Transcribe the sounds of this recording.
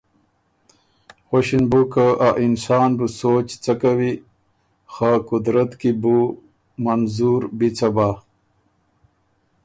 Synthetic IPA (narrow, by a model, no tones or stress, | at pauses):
xoɕinbukəʔaʔinsaːnbusoːt͡ɕt͡sakawi | xakud̪ɾɐt̪kibu | mɐnzuːɾbit͡sɐba